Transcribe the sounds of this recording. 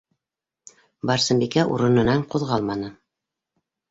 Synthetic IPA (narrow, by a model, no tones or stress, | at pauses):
bɑɾsɤ̆mbikæʔṵɾɤ̆nɤ̆nɑɴquðʁɑlˠmɑnɤ